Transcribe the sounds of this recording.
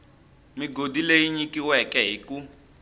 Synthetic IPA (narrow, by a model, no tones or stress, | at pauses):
miɡodilejiɲikiwɛkɛɦiku